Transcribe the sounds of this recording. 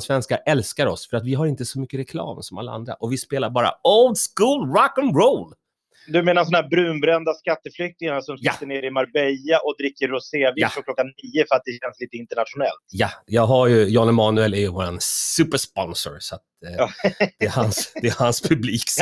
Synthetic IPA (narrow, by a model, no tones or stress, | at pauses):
svɛnskaʔɛlskaɾɔsfœɾat̪vɪɦaɾɪnt̪əsɔmʏkːəɾɛkʰlɑ̰ːmsɔma̰lːaa̰nd̪ɾa̰ʔɔvɪspeːlaɾbɑːɾa̰oʊld̪skuːlɹakənɾoʊl | d̪ɵmeːnasɔnhæːɾbɾʉ̟ːnbɾɛnd̪askat̪ːəflʏk̚t̪ɪŋanasɔmsjaəneːɾɪmaɾbɛjaʔɔd̪ɾɪkːəɾːʊseːvɪaɾɔkʰlɔkːanːiːəfœɾat̪̚d̪ɛɕɛnsliːt̪əɪnt̪əɳat̪ɧʊnɛlt̪jajɑːɡɦajɵjɑːnəmɑːnʉɛlæɾjɵvoːɾansʉ̟ːpəʂpɔnsɔ̰ɾsɔat̪ː | d̪ɛːhansd̪ɛːhanspʰɵbliːk